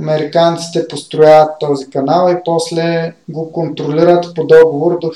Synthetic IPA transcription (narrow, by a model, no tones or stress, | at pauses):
ɐmɛɾikant̪si̥t̪ɛpost̪ɾʊjavət̪ːɔzikɐnalˠipɔslɛɡokont̪ɾoliɾət̪pod̪ɔɡovoɾd̪o